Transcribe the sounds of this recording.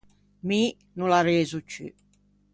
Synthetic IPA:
mi | nulaɾeːzut͡ʃːy̰

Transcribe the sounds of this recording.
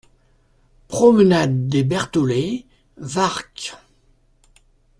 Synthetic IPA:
pχɔmənad̪ːebɛʁt̪ɔle | vaʁk

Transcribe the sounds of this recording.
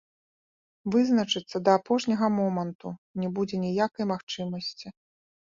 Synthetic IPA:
vɨznɐt͡ʂɨt̪sːɐd̪ɐːpɔʂnʲɐɣɐmɔmɐnt̪unʲɛbud͡zʲɛnʲijakɐjmaxt͡ʂɨmɐsʲt͡sʲi

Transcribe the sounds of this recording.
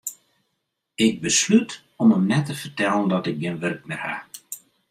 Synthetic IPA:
ɪk̚bəslyt | ɔməmnɛtəfərtɛlˠəndɔtɪk̚ɡɪnʋørk̚mɪrha̰

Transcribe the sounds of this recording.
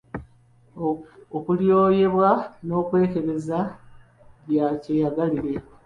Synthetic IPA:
okuljo̞ːje̞βwano̞ːkwe̞ːke̞βe̞za | βjacejaɡaliɾe̞

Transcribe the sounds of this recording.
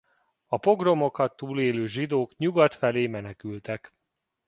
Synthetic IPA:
ɒpo̞ɡro̞mo̞kɒt̪ːuːleːløːʒid̪oːkɲuɡɒt̪fɛleːmɛnɛkylt̪ɛk

